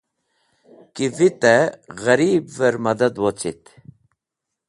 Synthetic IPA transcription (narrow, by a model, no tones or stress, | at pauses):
kivit̪ɛɣɐɾiːbvɛɾmɐd̪ɐd̪wot͡sit̪